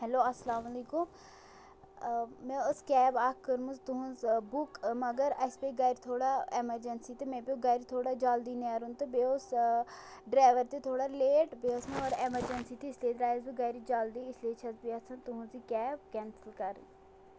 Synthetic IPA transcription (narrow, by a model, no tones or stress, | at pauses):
ɦɛloːɐsːlaːmliːkʊm | mɛ̃ːʊskɛːbaːkkəɾmũzt̪ʊɦũzbʊkməɡəɾəspeːɡaːɪɾt̪ʰoːɽaːeməɾd͡ʒənsiːt̪emɛ̃ːpioːɡaɪɾt̪ʰoːɽaːd͡ʒaːld̪iːnaːɾũnt̪ebeːʊs | ɖɾaːʋəɾt̪eːt̪ʰoːɽaːleːʈbeːʊsmẽoɾeməɾd͡ʒənsiːt̪iɪslieːd̪ɾaːɪzbiːɡaɾid͡ʒaːld̪iːɪslieːt͡ʃʰəzbiːɐsʰãt̪ʊɦũziːkɛːbkɛːnsəlkəɾ